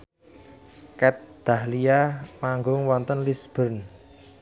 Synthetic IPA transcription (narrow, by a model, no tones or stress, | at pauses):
kɛt̪̚d̪̥a̤hlijamaŋɡʊŋwɔnt̪ənlisb̥ə̤rn